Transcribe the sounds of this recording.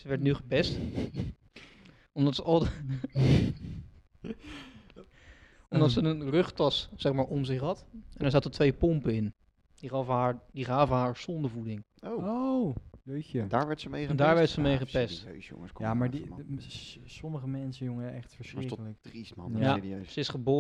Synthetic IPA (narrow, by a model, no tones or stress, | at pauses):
səʋɛɹtnyχəpɛst | ɔmdɑtsəɑlˠ | ɔmdɑtsənənrɵχtɑssɛχmaːɹɔmzɪχɦɑtɛndəɹzaːtətʋejpɔmpəɪn | d̥iɔvəaːɹdiχaːvəɦaːɹsɔndəɹvudɪŋ | owo | ədaːɹʋɛɹtsəmejdaːɹʋɛɹtsəmejχəpɛstːsʊ̰ŋəskjamaɹ | sɔməχəmɛnsəjʊŋəɛχtfəɹsrkələkrismɑ̰aiøsəɪsχəboː